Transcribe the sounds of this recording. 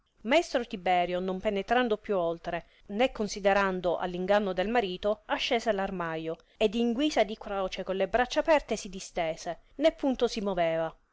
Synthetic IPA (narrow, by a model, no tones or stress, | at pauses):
maest̪ɾot̪ibɛːɾjonompenet̪ɾand̪opjuolt̪ɾe | nekːonsid̪eɾand̪oʔa̰lːiŋɡanːod̪elmaɾiːt̪oaʃːeːzelarmajo | ed̪iŋɡwiːsad̪ikɾɔːt͡ʃekonlebɾat͡ʃːaːpɛrt̪esid̪ist̪eːsenepːunt̪osimoveːva